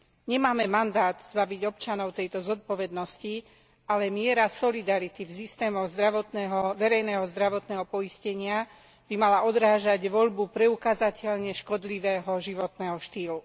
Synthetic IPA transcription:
ɲɛmaːmɛmand̪aːt̪z̥baʋiɟɔpt͡ʃanɔʊt̪ɛjt̪ɔzɔt̪̚pɔʋɛd̪nɔsci | ʔalɛmɪɛɾasɔlid̪aɾit̪ifsist̪ɛːmɔɣzd̪ɾaʋɔt̪nɛɦɔʋɛɾɛjnɛːɦɔzd̪ɾaʋɔt̪nɛːɦɔpɔiscɛɲɪa | b̥imalaʔɔd̪ɾaːʒaɟʋɔʎbupɾɛukazacʰɛʎɲɛʃkɔd̪liʋɛːɦɔʒiʋɔt̪nɛːɦɔʃt̪iːlu

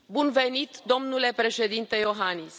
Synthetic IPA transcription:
bunve̞nit̪d̪o̞mnule̞pɾe̞ʃe̞d̪int̪e̞jo̞ɦanis

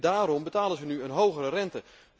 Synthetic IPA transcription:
daːɾɔmbətaːlənzənyənɦowɣəɾərɛntə

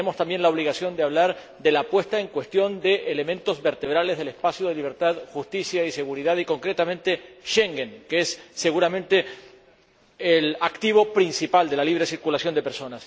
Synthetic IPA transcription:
emo̞st̪ambje̞nlao̞β̞liɣasjo̞nd̪eaβlaɾ | d̪e̞lapwe̞st̪aeŋkwe̞st̪jo̞nd̪eʔele̞mẽ̞nt̪o̞zβe̞ɾt̪e̞β̞ɾalezðe̞lespasjoðeliβ̞e̞ɾt̪aðxust̪isjaise̞ɣuɾiðaðiko̞ŋkɾe̞t̪amẽ̞nt̪e̞ʃeŋɡeŋkeesːe̞ɣuɾamẽ̞nt̪e | elakt̪iβo̞pɾinsipald̪elaliβɾe̞siɾkulasjo̞nd̪epeɾso̞nas

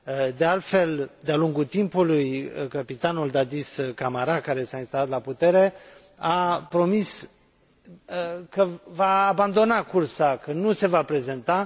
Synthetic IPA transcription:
əd̪ealt̪fe̞ld̪ealuŋɡut̪impulujkəpit̪anuld̪ad̪iskamaɾakaɾe̞sainst̪alat̪laput̪e̞ɾe̞ | apɾo̞mis | əkəvaːband̪o̞nakursakənuse̞vapɾe̞ze̞nt̪a

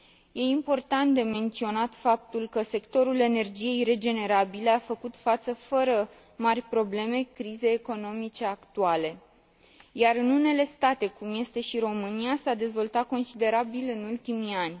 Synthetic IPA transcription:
je̞impo̞rt̪ant̪̚d̪e̞me̞nt̪sio̞nat̪fap̚t̪ulkəse̞kt̪o̞ɾule̞ne̞rd͡ʒije̞jre̞d͡ʒe̞ne̞ɾabile̞afəkut̪fat̪səfəɾə | marʲpɾo̞ble̞me̞kɾize̞jeko̞no̞mit͡ʃe̞akt̪uale̞ | jaɾɨnune̞le̞st̪at̪e̞kumje̞st̪e̞ʃiɾo̞mɨniasad̪e̞zvo̞lt̪at̪̚ko̞nsid̪e̞ɾabilɨnult̪imianʲ

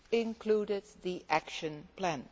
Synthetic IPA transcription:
ɪ̃nkʰl̥uɾɪd̪̚ðiʔækʃə̃npʰlæ̃n

